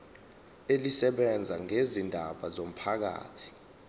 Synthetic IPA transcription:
elisɛɓɛnd͡zʱaŋezindʱaɓazom̩pʰak̬a̰ːtʰi̥

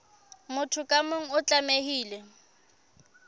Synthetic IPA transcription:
mʊtʰʊkʼamʊŋ̩ʊt͡ɬʼamehiːlɛ

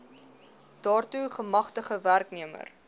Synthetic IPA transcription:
d̥ɑːrtuχəmɐχtəχəværkniəmə̰r

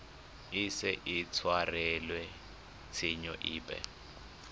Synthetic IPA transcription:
isɛʔit͡sʰwarɛlwɛ | t͡sʰiɲɔʔiːpʼɛ̰

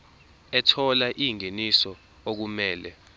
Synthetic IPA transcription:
ɛtʰɔlaʔiŋenisɔ | ok̬umɛːlɛ̰

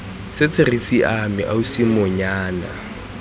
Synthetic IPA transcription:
sɪt͡sʰɪrisiʔamɪ̰ʔausimʊɲaːna̰

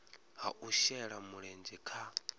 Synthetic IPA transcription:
ɦa̰ʔuʃɛɺamuɺɛnd͡ʒɛkʰa

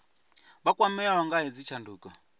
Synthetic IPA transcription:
βakʼwamɛawaŋɡaɦɛd͡zit͡ʃʰanduːkʼa

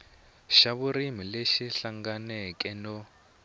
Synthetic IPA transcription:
ʃaβuɾimileʃiɬaŋɡanɛkʼɛnɔ

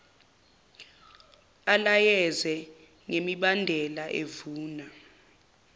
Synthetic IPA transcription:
alajɛzɛ | ŋemiɓandʱɛlaʔḛvuːna

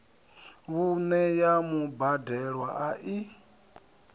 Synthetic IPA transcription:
βunɛjamubadɛɺwa̰ʔaʔi

